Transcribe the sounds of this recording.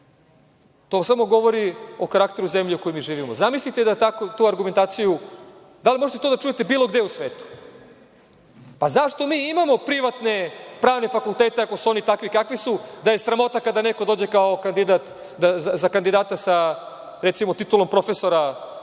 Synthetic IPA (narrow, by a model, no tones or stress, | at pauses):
t̪osamo̞ɡo̞ʋo̞ɾiokaɾakt̪eɾuze̞mʎiukojomiːʒiːʋimozamislit̪ed̪at̪akut̪uːaɾɡument̪aːt̪siju | d̪alimo̞ʒet̪et̪od̪at͡ʃuje̞t̪ebiːlˠo̞ɡd̪eusʋe̞ːt̪u̥ | pazaʃt̪o̞miːimamo̞pɾiʋat̪ne̞pɾaːʋne̞fakulˠt̪eːt̪eako̞suo̞nit̪akʋikakʋisud̪aje̞sɾamo̞t̪akad̪ane̞ko̞d̪o̞ːd͡ʑe̞kao̞kand̪id̪at̪ | d̪azazakand̪id̪aːt̪asa | ɾet̪simot̪it̪ulo̞mpɾo̞feso̞ɾa